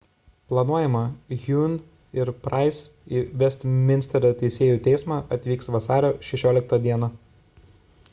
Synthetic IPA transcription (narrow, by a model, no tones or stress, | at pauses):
plˠɐnuɔjɛmɐɣʲun | ɪɾpɾɑɪs | iʋʲɛsʲt̪ʲmʲɪnʲsʲt̪ʲɛɾʲot̪ʲɛɪsʲeːjuːt̪ʲɛɪsmɑːʔɐt̪ʲʋʲiːksʋɐsɑːɾʲoːʃʲɛʃʲoːlʲɪk̚t̪ɐd̪ʲiɛnɐ